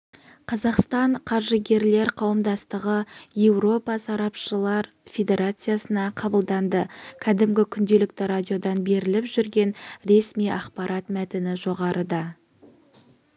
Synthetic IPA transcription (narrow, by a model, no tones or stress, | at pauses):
qʰɑzɑqst̪ɑɴqʰɑɾʒəɡʲe̞ɾle̞ɾqʰɑwəmd̪ɑst̪əʁəje̞wɾo̞pɑsɑɾɑpʃəlˠɑɾ | fʲe̞d̪ʲe̞ɾat̪sɨjasənɑqʰɑbəlˠd̪ɑnd̪əkʲʰæd̪ɪmɡʲɪkʲʰʏnd̪e̞lɪk̚t̪ɪɾad̪ʲijo̞d̪ɑnbe̞ɾɪlɪpʒʏɾɡʲe̞nɾe̞smijʔɑqpɑɾʔɑt̪mæt̪ɪnɪʒo̞ʁɑɾʔəd̪ɑ